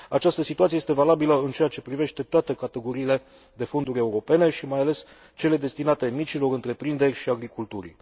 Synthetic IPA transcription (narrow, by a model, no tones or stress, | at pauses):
at͡ʃast̪əsit̪uat̪sijest̪e̞valabiləɨnt͡ʃe̞jat͡ʃe̞pɾive̞ʃt̪e̞t̪oat̪e̞kat̪e̞ɡo̞ɾiːle̞ | d̪e̞fo̞nd̪uɾʲe̞uɾo̞pe̞ne̞ʃimajale̞s | t͡ʃe̞le̞d̪e̞st̪inat̪e̞mit͡ʃilo̞ɾɨnt̪ɾe̞pɾind̪e̞rʲʃiaɡɾikult̪uɾʲi